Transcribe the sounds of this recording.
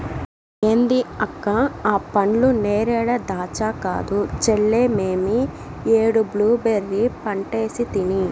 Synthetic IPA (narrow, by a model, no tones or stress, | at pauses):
eːnd̪iɐkːaaːpɐɳluneːɾɛːɽɐd̪aːt͡ʃaːka̰ːd̪ut͡ʃeɭːeːmeːmi | eːɽubluːbeɾːipɐɳʈe̞ːsit̪ini